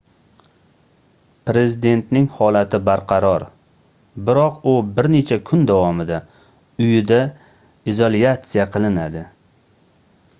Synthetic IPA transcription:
pɾe̞zɪd̪e̞nt̪nɪŋhɒlat̪ʰɪbaɾqʰɑɾɒɾ | bɪɾɒqʊbɪɾne̞t͡ʃʰakʰʊnd̪avɒmɪd̪a | ʊjɪd̪a | izolijat̪sijaqʰɨlˠɪnad̪ɪ

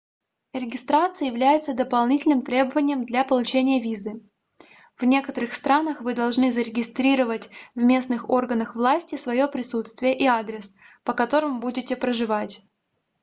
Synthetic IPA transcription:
ɾʲɪɡʲɪst̪ɾat̪sɨjəjɪvlʲæjɪt̪səd̪əpɐlˠnʲitʲɪlʲnɨmt̪ɾʲe̞bəvənʲɪjəmd̪lʲapəlˠʊt͡ɕenʲɪjəvʲizɨ | vnʲe̞kət̪əɾɨxst̪ɾanəxvɨd̪ɐlˠʐnɨzəɾʲɪɡʲɪst̪ɾʲiɾəvətʲvmʲe̞snɨxo̞rɡənəxvlˠasʲtʲɪsvɐjo̞pɾʲɪsut̪st̪vʲɪjəʔiad̪ɾʲɪs | pəkɐt̪o̞ɾɨmbudʲɪtʲɪpɾəʐɨvatʲ

